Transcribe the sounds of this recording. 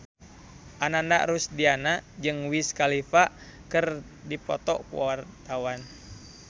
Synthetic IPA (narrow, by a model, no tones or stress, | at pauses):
ʔananda̰ʔɾusdianad͡ʒɨŋwiskalifaʔkɨr | dipɔ̰t̪ɔ̰kṵwa̰wart̪awan